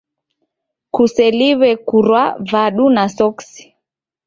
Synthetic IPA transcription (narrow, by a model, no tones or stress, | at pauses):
kusɛliβɛkuɾwavaɗunasɔksi̥